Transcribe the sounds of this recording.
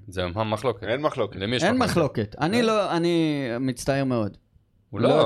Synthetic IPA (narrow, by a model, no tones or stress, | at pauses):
zeamɦamːaχlo̞keenmaχlokelemiʃenmaχlo̞ke̞t̪aniloanimit͡st̪aeʁmeo̞d | ullo